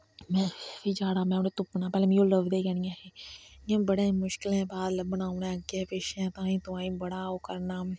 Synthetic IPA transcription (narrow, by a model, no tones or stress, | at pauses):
mɛ̃ːiːd͡ʒaːɽaːmɛ̃ːneːt̪ʊp̚ːənaːpɛːleːmĩjoːləʋd̪eːkɛnjãːɦeːjãːbəɽẽːmʊʃkɪlɛ̃ːbaːd̪ləbənaːũnɛ̃ːɡeːpeːʃɛ̃ːt̪ãːĩːt̪ʊãːĩːbəɽaːoːkəɾnaː